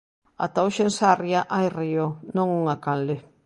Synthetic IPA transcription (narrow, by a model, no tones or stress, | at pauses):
a̰t̪awʃensarjaʔajrijonoŋuŋakanle